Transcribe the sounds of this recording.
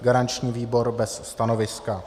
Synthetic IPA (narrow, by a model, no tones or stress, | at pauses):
ɡaɾant͡ʃɲiːviːbo̞ɾbɛsːt̪ano̞vɪska